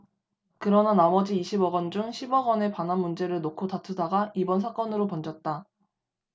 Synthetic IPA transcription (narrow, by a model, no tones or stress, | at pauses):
kɯɾʌnanamʌd͡ʑiːɕʰibʌɡʌnd͡ʑuŋɕʰibʌɡʌne̞panɦanmund͡ʑe̞ɾɯɭnokʰotatʰudaɡaibʌnsʰak͈ʌnɯɾopʌnd͡ʑʌt̚t͈a